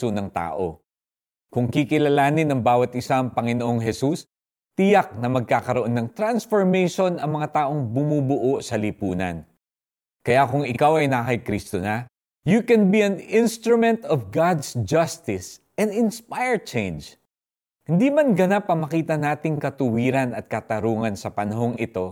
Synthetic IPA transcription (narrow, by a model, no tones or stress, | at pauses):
onɐŋt̪a̰ːʔo̞̰ | kʊŋkikɪlɐlaːnɪnɐŋbaːwɐt̪ʔɪsaŋpɐŋɪnoʔoŋɦɛsus | t̪ɪjak̚nɐmɐɡ̚kaːkɐɾoʔo̞nːɐŋt̪ɾansfoɹmejʃo̞nɐŋmɐŋat̪aːʔo̞ŋbʊmubʊʔoʔsɐlipuːnɐ̰n | kɐjakʊŋɪkawɐjnɐakɐjkɾist̪onɐ | jukɛnbiɐnɪ̃nst̪ɾʊmɛ̃nt̪ɔvɡad̪sd͡ʒɐst̪ɪs | ɛ̃nd̪ɪnspajɛɹt͡ʃẽjnd͡ʒ | hɪnd̪imɐnɡɐnap̚ɐŋmɐkiːt̪ɐnaːt̪ɪŋkɐt̪ʊwiːɾɐnɐt̪̚kɐt̪ɐɾuːŋɐnsɐpɐnɐɦo̞ŋɪt̪o̞